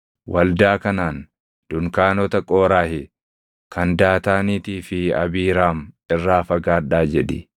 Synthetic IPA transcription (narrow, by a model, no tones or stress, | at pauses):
wʔɐld̪aːkɐnaːn | d̪̥ʊŋkaːnɔt̪ɐkʼoːɾaːhɪ | kɐnd̪aːt̪aːniːt̪iːfɪɐ̰biːɾaːm | ɪrːaːfɐɡaːᶑaːd͡ʒɛᶑɪ